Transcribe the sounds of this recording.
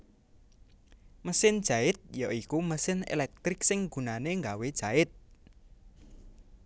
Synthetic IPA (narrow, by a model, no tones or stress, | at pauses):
məsɪnd̥ʒ̥a̤ɪt̪̚jaikuməsɪnḛlɛk̚t̪ɾɪksɪŋɡ̥ṳnaneŋɡawed̥ʒ̥a̤ɪt̪̚